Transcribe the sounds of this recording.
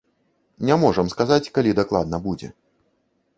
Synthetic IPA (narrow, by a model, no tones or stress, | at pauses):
nʲamɔʐəmskazat͡sʲkalʲid̪aklˠa̰d̪nɐbud͡zʲɛ̰